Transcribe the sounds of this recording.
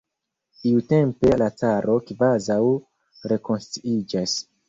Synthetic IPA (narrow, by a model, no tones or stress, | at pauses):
iute̞mpe̞lat͡saɾʔo̞kvazaw | ɾe̞ko̞nstɾuid͡ʒas